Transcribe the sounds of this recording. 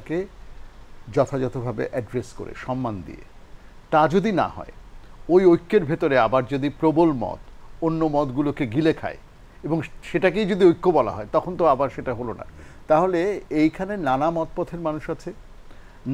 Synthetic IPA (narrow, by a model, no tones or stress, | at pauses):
ke | d͡ʑɔt̪ʰad͡ʑɔt̪obʱabḛʔɛɖɾesko̰ɾḛʃɔmːand̪ḭḛ | t̪ad͡ʑod̪ina̰ɦɔ̰eojojkːeɾbʱet̪oɾeabaɾd͡ʑod̪ipɾobolmɔ̰t̪onːomɔt̪ɡulokeɡilekʰa̰e | eboŋʃeʈakejd͡ʑod̪iojkːobɔla̰ɦɔet̪ɔkʰont̪oabaɾʃeʈaɦolona̰t̪aɦoleejkʰanenanamɔt̪̚pɔt̪ʰeɾmanuʃat͡ɕʰe